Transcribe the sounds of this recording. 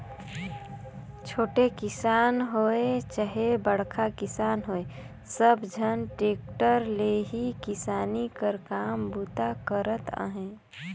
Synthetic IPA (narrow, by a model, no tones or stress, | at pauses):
t͡ʃʰoːʈekɪsaːnɦoet͡ʃəɦebəɽ̤kʰakɪsaːnɦoːe | səbd͡ʒʱənʈeːkʈəɾleɦikɪsaːnikəɾkaːmbuːt̪akəɾət̪ə̰ɦẽː